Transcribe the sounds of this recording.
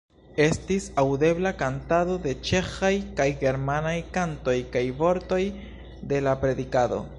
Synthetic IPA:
e̞stisawde̞blakantado̞de̞t͡ʃe̞xajkajɡe̞ɾmanajkanto̞jkajvo̞ɾto̞j | de̞lapɾe̞dikado̞̰

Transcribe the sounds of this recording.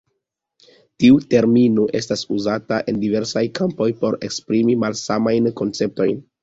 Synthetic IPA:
tiute̞ɾminuʔe̞stasuzataʔe̞ndive̞ɾsajkʰampo̞jpo̞ɾe̞̰kspɾimimalsamajnko̞nt͡se̞p̚to̞jn

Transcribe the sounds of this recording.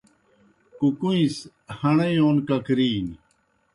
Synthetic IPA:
kukuĩs | hɐɳejoːnkɐkɾiːni

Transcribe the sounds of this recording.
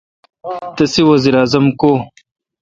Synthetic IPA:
t̪ɐsiwɐziɾaːzɐmkoː

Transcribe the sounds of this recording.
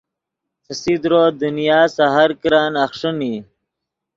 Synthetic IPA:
t̪ʰəsid̪ɾoːd̪unijaːsaɦaɾkɾaːnɐxʂəni

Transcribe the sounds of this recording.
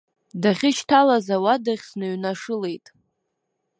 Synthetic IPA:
daχʲɪʃtʰalazawadaχʲsnɨɥnaʂɨle̞jtʼ

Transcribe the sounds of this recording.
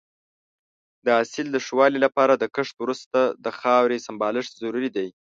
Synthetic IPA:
d̪əasɪld̪əʂwɑlilapɑɾad̪əkəʂt̪wɾust̪ad̪əxɑwɾesambɑlɪʂzaɾuɾid̪aj

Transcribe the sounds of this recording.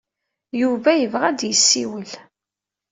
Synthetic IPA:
juvæjəvʁæd̪jəsːiwəl

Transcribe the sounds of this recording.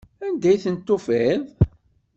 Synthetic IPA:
ænd̪æjθənt̪ːʊfɪðˤ

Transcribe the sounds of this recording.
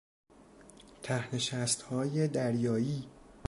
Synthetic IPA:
t̪ʰæhne̞ʃæst̪hɒːjed̪æɾjɒːjiː

